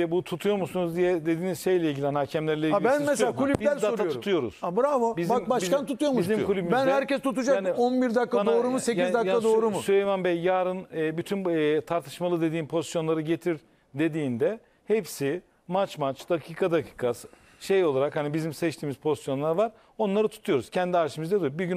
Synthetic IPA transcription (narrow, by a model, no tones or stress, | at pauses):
ɛbut̪ʰut̪ʰujo̞ɾmusunuzd̪ijɛd̪e̞d̪iːnizʃejlʲɛilʲɟilʲɛnhacʰɛmlʲæɾlʲɛiabænmɛsakʰulʲypbilʲd̪aoɾaujouɾut̪ʰujo̞ɾṵz̥abɾavobizbiabaʃiant̪ʰːut̪ujoɾmuʃzimkʰulʲybimbænhæɾcɛst̪ʰut̪ud͡ʒakːnionbiɾd̪akːaand̪aoːɾumusecizd̪akːad̪o̞ːɾumusyɾejmanbɛjːaːɾɯnːbyt̪ʰynːt̪ʰaɾt̪ʰɯ̥ʃmalˠɯd̪e̞d̪iːnpʰo̞zisjo̞nlˠaɾɯɟe̞t̪ʰiɾ | d̪e̞d̪iːnd̪ɛ | hepsi | mat͡ʃmat͡ʃd̪̥akʰiːkʰad̪akʰi̥ːkʰasɯ̥ | ʃejo̞lˠaɾakhanibizimsɛt͡ʃt̪ʰiːmizpʰo̞zisjo̞nlˠaɾvaɾ | o̞nlˠaɾɯt̪ʰu̥t̪ʰujo̞ɾuz̥cʰɛnd̪iaɾʃɯmɯzd̪ad̪ujbiɟyn